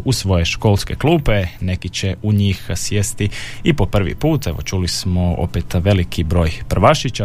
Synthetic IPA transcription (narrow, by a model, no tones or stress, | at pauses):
usʋo̞jeʃko̞lˠske̞kluːpe̞ne̞kit͡ɕeuɲixsjest̪iipo̞pr̩ʋḭpuːt̪e̞ʋo̰t͡ʃulismoo̰pet̪ʋe̞likʰibɾo̞ːjpr̩ʋaʃit͡ɕa